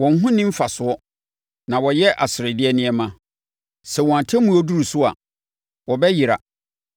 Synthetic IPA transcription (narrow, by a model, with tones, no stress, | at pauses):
wɔ̃˨n˦ɦũ˦nĩ˦m̩˦fa˨sʊ˨˦ɔ˦ | nã˨wɔ˨jɛ˦ʔa̰˨sɪ˨ɾɪ˨dɪ˦ɛ˦nɪ̃˦ɛ˦mã˦ | sɛ˨wɔ̃˨a˨tʰɛ˦mũ˦ɔ˦du˦ɾu˨sʊ˦a̰˨ | wɔ˨bɛ˦ji˨ɾa̰˨